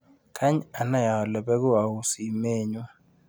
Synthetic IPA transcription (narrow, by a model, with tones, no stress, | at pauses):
kʰa˦ɲa˨na˦ja˨ɔ˨lɛ˨bɛ˦ɡʊ˦a˨u˨si˨me˦˨ɲo˦